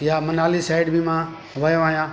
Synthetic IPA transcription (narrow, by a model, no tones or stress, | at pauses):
jaːmənaːlisaːɪɖbʱimãː | ʋəjõaːɦijãː